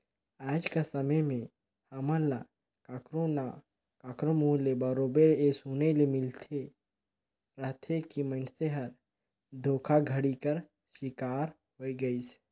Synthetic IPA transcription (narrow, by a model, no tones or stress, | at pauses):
aːd͡ʒkasəməjmẽ | həmə̃la | kaːkɾona | kaːkɾəmulebəɾobeɾesunelemɪlt̪ʰe | ɾəɦt̪ʰekimənseɦəɾ | d̪ʱoːkʰaɡʱəɽikəɾ | ʃɪkaːɾ | ɦoiɡəis